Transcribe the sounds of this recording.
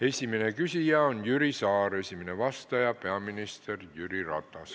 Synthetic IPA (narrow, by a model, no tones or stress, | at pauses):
esiminekysijæonjyrisɑːresimineʋɑst̪ɑjɑpeæmːinist̪erjyrirɑ̰t̪ɑs